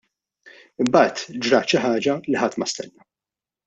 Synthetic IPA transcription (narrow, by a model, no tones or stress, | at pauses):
ɪmbɐːt̪d͡ʒɾɐːt̪ʃɪħɐːd͡ʒɐlɪħɐt̪ːmɐst̪ɛ̰nːɐ